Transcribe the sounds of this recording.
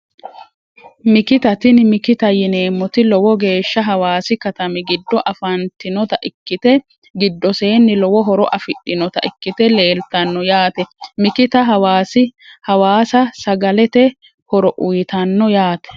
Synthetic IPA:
mɪkɪt̪ɐt̪ɪnmɪkɪt̪ɐjɪne̞ːmːɔt̪ɪlɔwɔɡe̞ːʃːɐɦɐwaːsɪkɐt̪ɐmɪɡɪd̪ːɔʔɐfɐnt̪ɪnɔt̪ɐʔɪkːɪt̪ɛ | ɡɪd̪ːɔse̞ːnːɪlɔwɔɦɔɾɔʔɐfɪɗːɪnɔt̪ɐ̰ʔɪkːɪt̪ɛle̞ːlt̪ɐnːɔjaːt̪ɛmɪkɪt̪ɐɦɐwaːsɪhɐwaːsɐsɐɡɐlɛt̪ɛ | hɔɾɔʔʊjt̪ɐnːɔjaːt̪ɛ̥

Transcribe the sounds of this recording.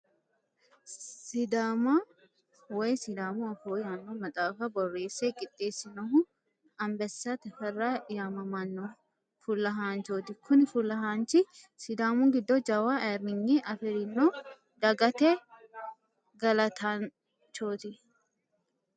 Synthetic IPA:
sɪd̪aːmɐ | wɔjsɪd̪aːmʊɐfoːjaːnːomɐt̪ʼaːfɐbɔrːe̞ːsːekʼɪt̪ʼːeːsːɪnɐɦʊ | ɐmbɛsːɐt̪ɛfɛrːaːjaːmɐmɐnːɔ | fʊlːɐɦaːnt͡ʃoːt̪ɪkʊnɪfʊlːɐɦaːnt͡ʃɪ | sɪd̪aːmʊɡɪd̪ːɔd͡ʒɐwaʔɛɾnɪŋːiʔɐfɪɾɪnːo | d̪ɐɡɐt̪ɛ | ɡɐlɐt̪ʰan | t͡ʃoːt̪ɪ

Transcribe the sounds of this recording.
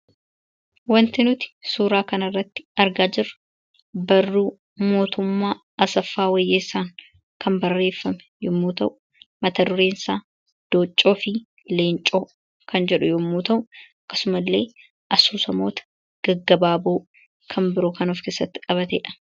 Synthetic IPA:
wɐnt̪ɪnʊt̪ɪ̥suːɾaːkɐnɐrːɐt̪ːɪ̥ɐɾɡaːd͡ʒɪrːʊ̥ | bɐrːuː | mo̞ːt̪ʊmːaː | ɐsɐfːaːwɐjːeːsaːŋ | kʰɐmbɐrːe̞ːfːɐmɛ̥jʊmːuːt̪ɐʔʊ | mɐt̪ɐd̪ʊɾe̞ːnsaː | d̪̥oːt͡ʃʼːo̞ːfɪ | le̞ːnt͡ʃʼo̞ː | kʰɐnd͡ʒɛᶑʊjʊmːuːt̪ɐʔʊɐkːɐ̥sʊmɐlːe̞ː | ʔɐsuːsɐmo̞ːt̪ɐ̥ | ɡ̥ɐɡːɐbaːboː | kʰɐmbɪɾoːkɐnɔfkeːsɐt̪ːɪkʼɐβɐt̪ɛ̰ᶑɐ̥

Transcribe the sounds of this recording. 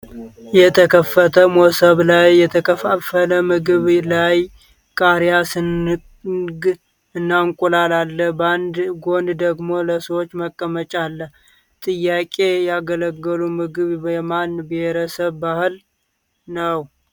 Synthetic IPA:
jɛt̪ʰəkʰəfːət̪ʰəmosəβlajːɛt̪ʰəkʰəfafələmɨɡɨβlaj | kʼaɾjas | ɡ | ɨnːaŋkʼulalalːəhband̪ɡo̞nd̪d̪əɡmo̞ləsəwot͡ʃːməkʼːəmət͡ʃʼalːəh | t̪ʼɨjːakʼejɛaɡələɡːəlumɨɡɨβjɛmanbeheɾəsəβːahɨl | nəw

